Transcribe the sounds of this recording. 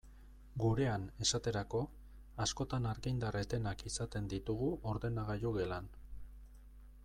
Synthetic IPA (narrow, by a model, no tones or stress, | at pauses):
ɡuɾe̞ane̞sat̪e̞ɾako̞ | asko̞t̪anaɾɣind̪aret̪e̞nakisat̪e̞nd̪it̪uɣuʔo̞ɾðe̞naɣajoɣe̞lan